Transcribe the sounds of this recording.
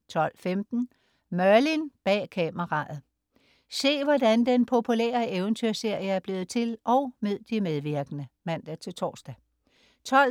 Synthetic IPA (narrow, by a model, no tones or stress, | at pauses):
t͡sʰɒ̽l̰femd̥n̩ | mɶɐlinb̥ɛ̰ːkʰɛməʁɑ̈ð̩ˠ | se̝̰ːʋɒd̥ænd̥enpʰo̝pʰulḛːɐeʊənt͡sʰyɐ̰se̝ɐ̰jəæɐb̥le̝ːð̩ˠt͡sʰe̝lʔɒ̽ʊme̝ð̰ˠd̥imeð̞ˠʋiɐɡ̥ənəmæn̰d̥æt͡sʰe̝lt͡sʰɒ̰ːsd̥æ | t͡sʰɒl